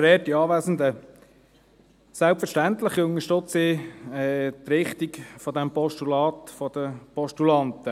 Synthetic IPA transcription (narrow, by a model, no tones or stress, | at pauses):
ɾɛːtiɑːʋæːsn̩d̪ə | sælpfəɾʃtænt̪ləχiʊŋəʃtøt͡sɪɛːt̪ɾɪχt̪ikfɔd̪æmpɔʃtulɑːt̪fɔd̪̥əpɔʃtulɑnt̪ə